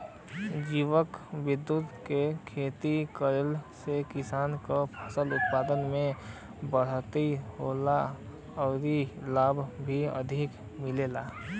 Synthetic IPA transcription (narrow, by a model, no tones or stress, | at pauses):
d͡ʒiʋəkʋɪd̪ːut̪kekʰeːt̪ikəɾəlsekɪsaːnkopʰəsəlʊt̪̚paːd̪ənmẽ | bəɽ̤t̪iɦola | ɔːɾilaːbʱbʱiə̰d̪ʱɪk | mɪleːla